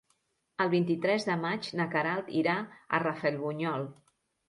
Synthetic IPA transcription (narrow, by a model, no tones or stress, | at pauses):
əlˠβint̪it̪ɾɛzðəmad͡ʒnəkəɾalˠt̪iɾaə̰rəfɛlˠβuɲɔlˠ